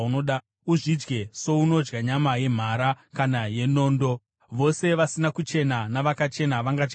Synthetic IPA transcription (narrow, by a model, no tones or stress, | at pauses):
unoɗa | uʐid͡ʒɡe̞so̞uno̞d͡ʒɡaɲamaje̞m̤aɾakanaje̞noːndo̞ | ʋo̞se̞ʋasinakut͡ʃe̞nanaʋakat͡ʃe̞naʋaŋɡad͡ʒɡ